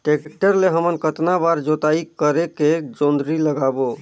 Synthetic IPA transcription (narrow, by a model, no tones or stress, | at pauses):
ʈek̚ʈəɾleɦəmənkət̪nabaɾd͡ʒot̪aikəɾeked͡ʒond̪ɾiləɡabo